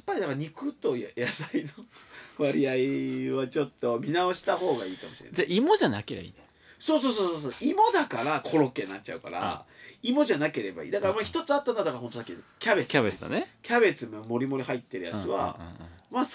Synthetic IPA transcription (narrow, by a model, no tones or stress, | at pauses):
jjapːaɾʲid̪akaɾaɲ̟ikɯ̟t̪o̞jjasainoβaɾʲiaiβat͡ɕo̞t̪ːo̞mʲinao̞ɕi̥t̪aho̞ːɡaiːkamo̞ɕiɾenaimo̞ʑana̰keɾeba̰ḭːd̪e | so̞ːso̞ːs̬oːsoːsoːimo̞d̪akaɾakʰo̞ɾokːe̞ːnːat͡ɕ̚t͡ɕa̰ɯ̟ka̰ɾa̰imo̞ʑanake̞ɾe̞ba̰ḭːd̪akaɾamaçʲi̥t̪o̞t͡sɨat̪ːanod̪akaɾɦo̞nt̪osakʲːikʲabet͡sabea̰nkʲabe̞t͡sɨmamo̞ɾʲimo̞ɾʲihait̪ːe̞ɾɯ̟ja̰t͡sɨβa̰mas